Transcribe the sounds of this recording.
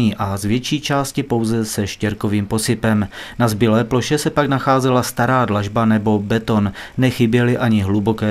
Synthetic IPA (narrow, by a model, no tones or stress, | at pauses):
iːʔazvjɛt͡ʃiːt͡ʃaːscɪpo̞wzɛsɛʃcɛɾko̞viːmpo̞sɪpɛmnazbɪlɛːplo̞ʃɛsɛpaɡnaxaːzɛlast̪aɾaːdlaʒbanɛbo̞bɛt̪o̞nːɛxɪbjɛlɪʔaɲɪɦlubo̞kɛː